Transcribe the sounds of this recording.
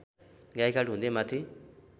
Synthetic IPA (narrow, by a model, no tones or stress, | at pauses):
ɡajkʰaʈũnd̪emat̪ʰi